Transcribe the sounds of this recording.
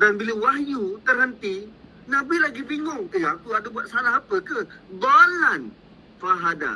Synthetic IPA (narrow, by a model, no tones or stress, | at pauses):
danbiləwahjut̪ərɦənt̪i | nãbilaɡiviŋʊŋeakuadabuat̪̚salaɦapəkəd̪ɔlan | faɦada̰